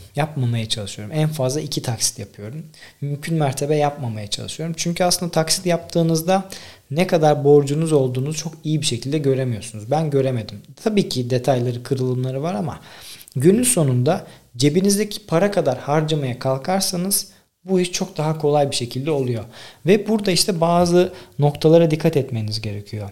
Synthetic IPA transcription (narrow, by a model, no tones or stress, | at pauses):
jap̚mamajat͡ʃʰalˠɯʃɯjo̞ɾumænfazlˠaicʰit̪ʰaksi̥t̪japʰɯjo̞ɾumːymcʰynmæɾt̪ʰe̞bɛjapmamajat͡ʃʰa̰lˠɯʃɯjo̞ɾumt͡ʃʰyɲcʰyasɯnd̪at̪ʰaksi̥t̪jap̚t̪ʰɯːnɯzd̪anɛkʰad̪aɾbo̞ɾd͡ʒunuzo̞lˠd̪uːnuzt͡ʃʰo̞kijibiʃe̞cʰilʲd̪ɛɟø̞ɾe̞mijo̞ɾsunuzbænɟø̞ɾe̞me̞d̪imt̪ʰabiːcʰid̪e̞t̪ʰajlˠaɾɯkʰɯɾɯlˠɯmlˠaɾɯvaɾama̰ɟynynso̞nund̪ad͡ʒe̞binizd̪ecʰi̥pʰaɾakʰad̪aɾhaɾd͡ʒamajakʰalˠkʰaɾsanɯz̥ | buiʃt͡ʃʰo̞k̚d̪aɦakʰo̞lˠajbiʃe̞cʰilʲd̪ɛo̞lˠujo̞vɛbuɾd̪aiʃt̪ʰɛbaːzɯno̞kt̪ʰalˠaɾad̪ikʰːat̪ɛt̪me̞inizɟe̞ɾecʲʰijo̞